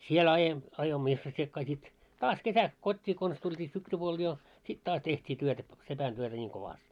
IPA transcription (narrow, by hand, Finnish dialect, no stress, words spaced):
siel ɑje ɑjoimːo isʋosːiekːɑː sit tɑːs kesæks kotʲːiː kons tultʲiː syksypuol jo sit tɑːs tehtʲiː tyøtæ p sepæn tyøtæ nʲiːŋ koʋɑst